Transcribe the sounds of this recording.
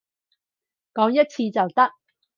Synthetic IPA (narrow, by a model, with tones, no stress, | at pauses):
kɔː˨˥ŋjɐ˥t̚t͡sʰiː˧t͡sɐ˨wt̪ɐ˥k̚